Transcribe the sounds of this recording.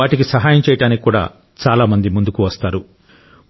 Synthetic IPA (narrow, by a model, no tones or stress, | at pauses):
aːʈik̬isɐɦaːjɐmt͡ʃɛːjɐʈaːniki̥kːuːɽa̰ː | t͡ʃaːlaːmɐnd̪imund̪ukuʋɐst̪aːɾu